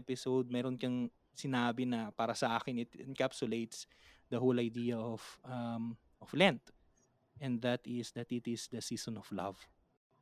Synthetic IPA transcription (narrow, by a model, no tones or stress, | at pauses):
pɪsowd̪̚mɛːɾonkɐŋ | sɪnaːbɪnɐpaːɾɐsɐʔaːkɪnɪt̪ɪnkapsʊlejt̪s | d̪ɐɦowlɐjd̪iːjɐʔofɐm | ʔɔflɛnt̪ | ʔɛ̃nd̪d̪ɐt̪ɪsd̪ɐt̪ɪt̪ɪsd̪ɐsiːsɔnɔflɐ̰v